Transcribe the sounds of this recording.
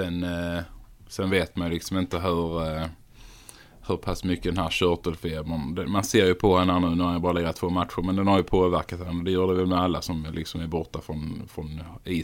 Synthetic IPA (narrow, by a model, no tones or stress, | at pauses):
sɛn | sɛnveːt̪manjlɪksɔmɪnt̪əɦɵɾ | hɵɾpʰasːmʏkːəd̪ɛnɦæːɾɕœt̪əlfeːbənd̪ɛmanseːɾjɵpʰɔhɛnːəhænʉ̟ːnæɾhanjabɑːɾalɛɡɾat̪ʰvoːmat̪ɧəɾmɛnd̪ɛnhaɾjɵpʰoːvæɾkat̪hɛnːəd̪ɛjuːɾɖ̪ɛvɛlmɛalːasɔmlɪksɔmæɾbɔɾt̪afɾɔnfɾɔniː